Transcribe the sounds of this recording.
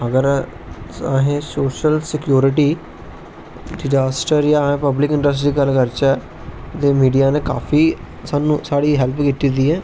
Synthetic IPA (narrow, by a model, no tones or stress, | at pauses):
əɡəɾ | aɦẽːsoːʃəlsɪkjoːɾɪʈiː | ɖɪd͡ʒaːsʈəɾjãːẽːpəblɪkɪ̃ɳɖəs̬ʈɾiːkəlkəɾt͡ʃɛː | t̪eːmiːɖijaːneːka̰ːfʰiː | saːnũːsaːɽiːɦɛlpkit̪id̪iːɛː